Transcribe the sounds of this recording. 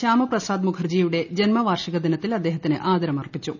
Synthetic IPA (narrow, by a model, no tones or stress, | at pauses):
ɕaːmɐprɐsaːd̪mukʰɐrd͡ʑijuɽe̞d͡ʑenmɐʋaːrʂɐɣɐd̪inɐt̪ːilɐd̪ːe̞ːɦɐt̪ːinɨʔaːd̪ɐɾɐmɐrpːit͡ɕːu